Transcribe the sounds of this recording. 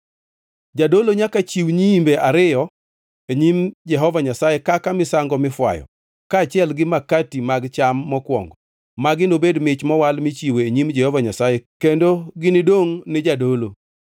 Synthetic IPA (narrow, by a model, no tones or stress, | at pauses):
d͡ʒadoloɲakat͡ʃiwɲiimbeʔaɾɪjɔ | eɲimd͡ʒɛɦɔvaɲasajekakamɪsaŋɡɔmɪfwa̰jɔ̰ | kaːt͡ʃɪɛlɡɪmakatimaɡt͡ʃamːɔkwɔ̰ŋɡɔ | maɡɪnobedmɪt͡ʃmɔwalmɪt͡ʃiweeɲimd͡ʒɛhɔvaɲasajekendoɡɪnɪdoŋnɪd͡ʒadolo